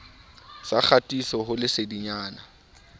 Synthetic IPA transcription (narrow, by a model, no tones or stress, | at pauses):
sak͡xʰatʼisɔɦʊlɪsediɲaːna